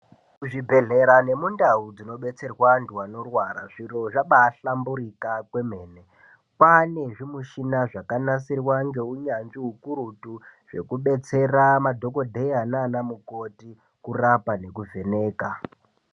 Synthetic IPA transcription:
kuʐibʱe̞ɮe̞ɾane̞mundaud͡zino̞ɓe̞t͡se̞rwanduwano̞rwaɾa̰ʐiro̞ʐaɓaːɬambuɾikakwe̞me̞ːne | pane̞ʐimuʃinaʐakanasirwaŋɡe̞uɲanʐiɦukuɾutuʐ̥e̞̰kuɓe̞t͡se̞ramadʱo̞ko̞dʱeananamuko̞ti | kurapane̞kuve̞ne̞ːka

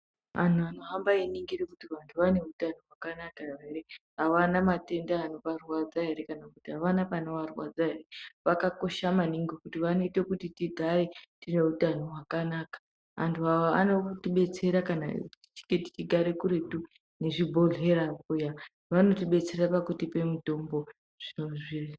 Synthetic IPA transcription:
a̰nuano̞ɦambainiŋɡirekutiʋantʰuʋane̞utanowakanakaeɾeɦaʋanamate̞ndaːno̞ʋarwad͡zaɦe̞ɾe̞kanakutiɦaʋanapano̞ʋarwad͡zaɦe̞ɾe̞ʋakako̞ʃamaniŋɡokutiʋano̞ite̞kutitiɡʱaɾe̞tine̞utanoɦwakanaːkḁ | ɦa̰ntʰuɦaoa̰no̞tiɓe̞t͡se̞ɾakanai̥t͡ʃi̥ŋɡeti̥t͡ʃiɡʱaɾe̞kuɾe̞tu | ne̞ʐibʱo̞ɮe̞ɾakuja | ʋano̞tiɓe̞t͡se̞rapakutipe̞mito̞mbo̞ | ʐ̥inoʐi

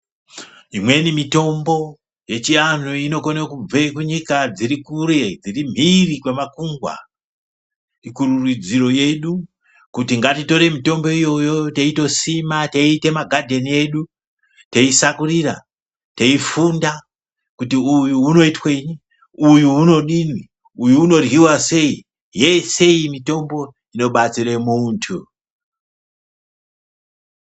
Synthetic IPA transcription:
imwe̞nimito̞mbo̞ | je̞t͡ʃian̤uino̞konekub͡vekuɲikad͡zirikuɾe̞d͡zirim̤irikwemakuŋɡwa̰ | ikururid͡ziro̞je̞ɗu | kutiŋɡatito̞ɾe̞mito̞mbo̞ijo̞jo̞teito̞simateite̞maɡʱadʱe̞nie̞ɗu | teisakuriɾa | teifunda | kutiujuuno̞itwe̞ni | ujuuno̞ɗinwi | ujuːno̞rwiwase̞i | je̞se̞imito̞mbo̞ | ino̞ɓat͡sire̞muːntʰu

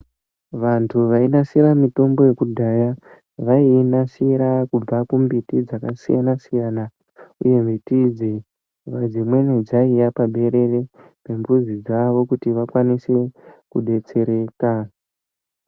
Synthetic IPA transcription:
ʋantʰuʋainasiɾamito̞mbo̞je̞kudʱaja | ʋainasiɾakub͡vakumbitid͡zakasija̰nasijana | ṵje̞mbitid͡ze | ʋad͡zimwe̞ned͡zaijapaɓʱe̞ɾe̞re̞ | pe̞mbuzid͡zaʋo̞kutiʋakwanisekuɗe̞t͡se̞ɾe̞ːka

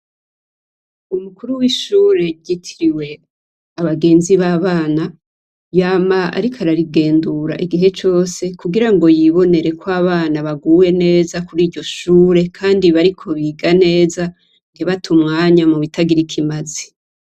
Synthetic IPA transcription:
umukuɾuwiʃuːɾe̞ɟitʰiɾiwe̞ | aβaɡe̞ːnziβaːβaːna | jaːmaa̰ɾikʰaɾaɾiɡe̞ːnduɾa̰ʔiɡiɦe̞t͡ʃo̞ːse̞kuɡiɾaŋɡo̞jiβo̞ne̞ɾe̞kʰwaβaːnaβaɡuːwe̞ne̞ːzakuɾiːɾɟo̞ʃuːɾe̞kʰaːndiβaɾikʰo̞βiɡane̞ːza | ŋɡeβatʰumŋaːɲamuβitʰaɡiɾikʰimazi̥

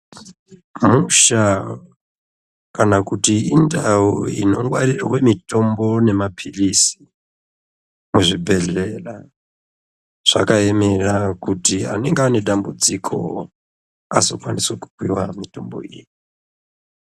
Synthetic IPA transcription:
muʃa | kanakutiindauḭno̞ŋɡwaɾirawe̞mito̞mbo̞ne̞mapʰirisi̥ | muʐibʱe̞ɮe̞la | ʐ̥a̰kae̞me̞rakutia̰neŋɡane̞ɗambud͡zikʰo̞̰ | azo̞̰kwanisweku̥kwiwamito̞mbo̞̰iji

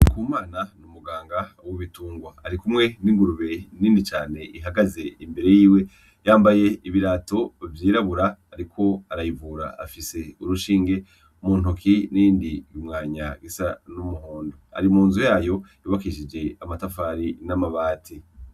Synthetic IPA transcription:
kuːmaːnanumuɡaːŋɡawoβituːŋɡwaaɾikumŋe̞niŋɡuɾuβe̞niːndit͡ʃaːne̞ʔiɦaɡaze̞imbe̞ɾe̞jiːwe̞ | jaːmbaje̞iβiɾaːto̞vjiːɾaβuɾaːɾikʰo̞aɾajivuːɾa̰afise̞uɾuʃiːŋɡe̞ | muːn̥okʰiniːndijumŋaːɲa̰ɡisanumuhoːndoa̰ɾimuːnzujaːjo̞juβakiʃid͡ʒe̞amatafaːɾinamaβaːtʰi

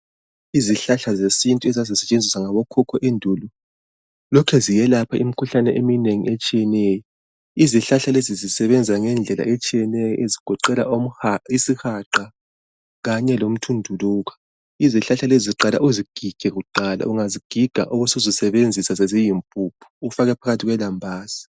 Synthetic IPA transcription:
iziɬaɬazesintʼuɛzazisɛt͡ʃʼend͡zʱisaŋaβɔkʰɔkʰɔʔendʱulu | lɔkʰɛzijɛlapʰaimikʰuɬanɛʔemineŋḭet͡ʃʼijɛnɛːjɔ | iziɬaɬalezizisɛβɛnd͡zʱiaŋɛnd͡ɮʱɛla̰ʔet͡ʃʼijɛnɛjɔʔeziɡ̥ʱɔǃɛlaom̩aisixaǃa | ɣaɲɛlom̩tʰundʱuluːɣḁ | iziɬaɬaleziziǃala̰ʔuziɡ̥ʱiɡ̥ʱɛɣuǃala̰uŋaziɡ̥ʱiɡ̥ʱa̰ʔoɣusuzisɛβend͡zʱisazɛzijimpʼupʰu̥ːfaɣɛpʰaɣatʰiɣwɛlambʱaːz̥a

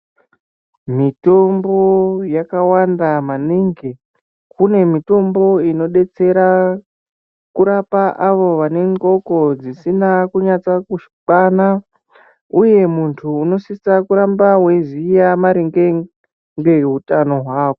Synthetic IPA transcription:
mito̞mbo̞jakawandamaniŋɡe | kune̞mito̞mbo̞ino̞ɗe̞t͡se̞ɾa | kuɾapaʔaʋo̞ʋane̞ŋɡo̞ko̞d͡zisinakuɲat͡sakuʃi̥k͡pana | uje̞muntʰuːno̞sisakuɾambawe̞zijamaɾiŋɡe | ŋɡe̞ɦutano̞ɦwaːko

